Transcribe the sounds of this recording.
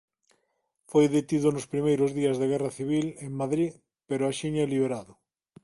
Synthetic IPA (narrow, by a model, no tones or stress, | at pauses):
fojðet̪iðʊnʊspɾimejɾʊzðiazðeɣɛraθiβ̞ileŋmaðɾi | peɾʊaʃiɲɛliβeɾaðʊ